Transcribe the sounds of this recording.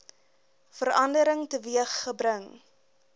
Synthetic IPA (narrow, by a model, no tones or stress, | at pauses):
fəɾɐndəɾəŋtəviəχːəbɾəŋ